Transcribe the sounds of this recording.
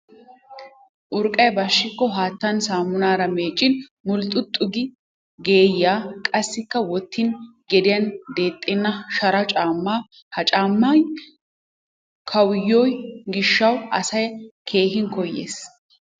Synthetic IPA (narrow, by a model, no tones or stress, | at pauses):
ʔʊɾkʼːɐjbɐʃːɪkːɔɦaːt̪ːɐnsaːmːʊnaːɾɐmeːt͡ʃʼːɪnmʊlt̪ʼːʊt̪ʼːʊɡɪ | ɡe̞ːjːaːkʼɐsːɪkːɐwɔt̪ːɪn | ɡɛd̪ɪjɐnd̪e̞ːt̪ʼːɪnːɐʃɐɾɐt͡ʃʼaːmːaː | hɐt͡ʃʼaːmːan | kʰɐwɪjːɔjɡɪʃːɐwɐ̰sɐjkʰe̞ːɦɪnkɔjːḛːs